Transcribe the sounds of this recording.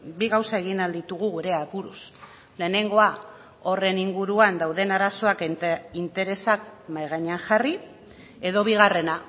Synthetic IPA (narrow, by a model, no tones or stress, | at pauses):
biɣawsae̞ɣinald̪it̪uɣ̞uɣuɾe̞aβuɾus | le̞ːne̞ŋɡo̞a | o̞re̞niŋɡuɾuand̪awðe̞naɾaso̞akint̪e̞ɾe̞sakmajɣaɲeaŋʝari | e̞ðo̞βiɣ̞are̞na